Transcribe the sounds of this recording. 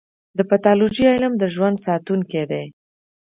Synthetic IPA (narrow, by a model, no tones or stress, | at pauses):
d̪əpat̪ɑlod͡ʒiɑjlamd̪əʒwand̪sɑt̪uŋked̪e